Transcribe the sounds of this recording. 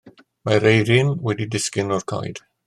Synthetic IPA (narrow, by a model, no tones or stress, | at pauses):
maɾejɾɪnwɛdidɪskɪnɔrkʰa̰jd̥